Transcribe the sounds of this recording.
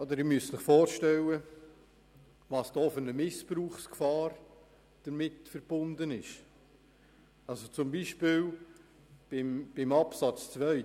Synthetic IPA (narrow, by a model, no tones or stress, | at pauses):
ɔd̪əɾɪmyəssɪχfɔːɾʃtɛlːə | ʋɑːsd̥ɔːfʏɾnəmɪspɾuːχskfɑːɾ | d̥əɾmɪtfəɾb̥ʊnd̪ənɪʃ | ɑlsot͡sʊmbiʃpɪːl | b̥ɪmb̥ɪmɑpsɑt͡st͡svʋœɪ